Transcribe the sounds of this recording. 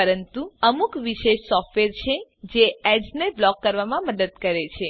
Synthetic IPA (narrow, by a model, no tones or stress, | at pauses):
əɾənt̪uəmukʋiʃeʃsɔffʈʰʋeɾt͡ʃʰed͡ʒeɛɖzneblɔkːəɾʋamãməd̪əd̪kəɾet͡ʃʰe